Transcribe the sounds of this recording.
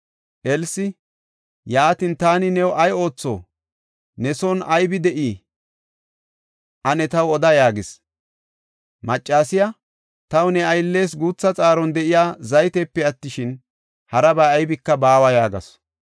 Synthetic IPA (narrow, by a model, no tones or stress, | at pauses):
ʔɛlsɪ | jaːt̪ɪnt̪aːnɪnɛwʔɐjo̞ːt͡sːo̰ː | nɛsɔnɐjbɪd̪ɛʔiː | ʔɐnɛt̪ɐwɔd̪ɐjaːɡɪs | mɐt͡ʃʼːaːsɪja | t̪ɐwʊnɛɐjlːe̞ːs̬ɡuːt͡sːɐt͡sʼaːɾɔnd̪ɛʔɪjaːzɐjt̪ɛpːɛɐt̪ːɪʃɪn | hɐɾɐbɐɐjbɪkːɐbaːwɐjaːɡɐ̰s